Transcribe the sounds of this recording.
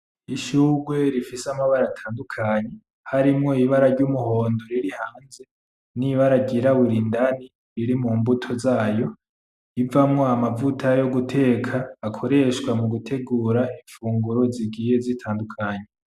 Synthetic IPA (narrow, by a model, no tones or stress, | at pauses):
iʃuːɡwe̞ɾifisamaβaɾatʰaːndukʰaɲe | haɾimŋo̞iβaɾaɾɟumuho̞ːndo̞ɾiɾihaːnze̞ | niβaɾaɟiɾaβuɾindani | ɾiɾimuːmbutʰo̞zaːjo̞ | ivamŋo̞amavutʰajo̞ɡutʰe̞ːkʰaːkʰo̞ɾe̞ʃwamuɡutʰe̞ɡuːɾaiɱfuːŋɡuɾo̞ziɡiːje̞zitʰaːndukʰaɲe